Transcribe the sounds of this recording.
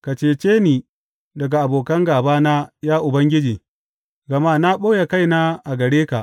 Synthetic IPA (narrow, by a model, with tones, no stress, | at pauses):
ka˨t͡ʃeː˦t͡ʃeː˦niː˨ | dɐ˨ɡa˨ʔa˨boː˨kɐ˦ŋɡaː˨baː˦na˦jaː˦ʔʊ˨bɐ˦ŋɡʲɪ˦d͡ʒiː˨ | ɡɐ˨maː˦na˦ɓoː˦ja˨ka˦jna˦ʔa˨ɡɐ˨ɽeː˦ka˨ʔ